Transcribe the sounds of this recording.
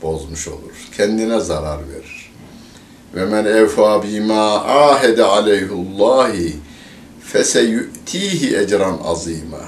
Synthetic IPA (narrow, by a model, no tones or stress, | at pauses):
b̥o̞zmuʃo̞̰lˠuɾ̥cʰɛnd̪inɛzaɾaɾvḛɾiɾ̥ | vɛmænʔɛwfaːbimaːʔaːɦɛd̪æʕalɛjɦlˠˤːɑːh | fæsɛjuʔt̪ʰiːɦiʔæd͡ʒɾanʔɑ̰ziːma̰